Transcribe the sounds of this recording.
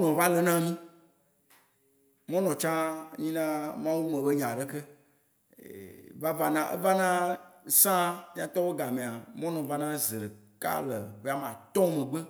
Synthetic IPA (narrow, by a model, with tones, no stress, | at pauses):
nɔ̃˨va˦lə˨nã˦mĩ˦ | mɔ̃˦nɔ̃˨t͡ʃã˦ɲĩ˦nã˦mã˦wu˦mɛ̃˨bə˦ɲã˨ɖə˦kə˦ | va˦va˨nã˨ʔḛ˦va˦nã˦˨sã˦ɲã˦t̪ɔ˦wo˦ɡa˨mẽ˨a˨mɔ̃˦nɔ̃˨va˦nã˦ze˨ɾə˨ka̰˦lə˨be˦a˦mã˨t̪ɔ̃˦mə̃˨ɡ͡bə˦